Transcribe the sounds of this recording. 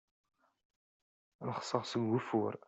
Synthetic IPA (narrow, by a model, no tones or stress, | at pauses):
nəχsəʁsəɡːufʊɾ